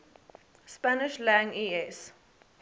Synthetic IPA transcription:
spanɪʃlãŋiɛs

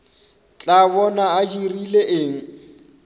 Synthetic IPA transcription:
t͡ɬʼaβɔnaad͡ʒirileʔeŋ̩

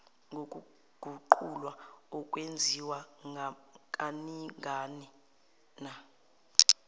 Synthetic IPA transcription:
ŋʱok̬ʼu | ɡ̥ʱuǃulwaɔkʼwend͡zʱiwa | k̬ʼaniŋʱaːni | na

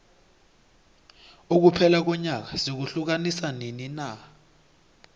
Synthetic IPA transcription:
uk̬upʰɛlak̬ɔɲak̬ḁsik̬uɬuk̬anisaninina

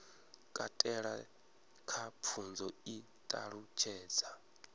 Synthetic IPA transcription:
kʼatʼɛɺa | kʰap̪fʰund͡zɔi | t̪ʼaɺut͡ʃʰɛːd͡za

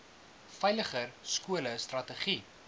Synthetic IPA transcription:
fɛjləχərskuələstrɐtəχi

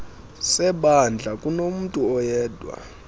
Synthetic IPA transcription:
sɛɓand͡ɮʱakʼunom̩tʼuɔjɛːdʱʼwa̰

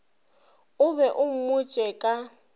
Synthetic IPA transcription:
ʊβɛʔʊŋ̩mʊt͡ʃʼɛkʼa

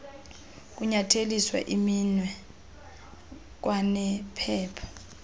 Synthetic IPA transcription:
k̬ʼuɲatʰeliswa̰ʔiminwɛ | k̬wanɛpʰɛːpʰḁ

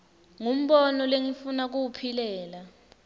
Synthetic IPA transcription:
ŋum̩ɓɔnɔleŋifunak̬uwupʰilɛːla

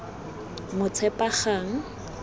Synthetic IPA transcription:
mʊt͡sʰɛpʼaχaːŋ̩

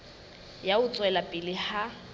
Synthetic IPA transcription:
jaʊt͡sʼwɛlapʼɪlɪha

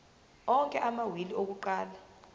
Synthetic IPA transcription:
ɔŋkʼɛʔamawiliok̬uǃaːla

